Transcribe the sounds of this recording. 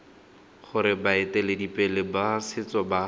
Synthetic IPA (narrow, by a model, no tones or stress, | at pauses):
χʊɾɪbaɪtɛledipʼɛlɪbasɪt͡sɔba